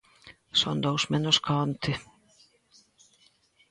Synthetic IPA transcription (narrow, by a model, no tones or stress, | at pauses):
sɔ̰nd̪owsmɛnɔskʰaɔnt̪ʰɪ